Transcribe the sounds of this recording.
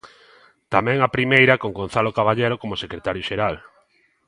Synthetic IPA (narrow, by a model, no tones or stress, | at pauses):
t̪amɛ̃ŋapɾimejɾɐkoŋɡon̟θalokaβaʎejɾokomosekɾet̪aɾjoʃeɾal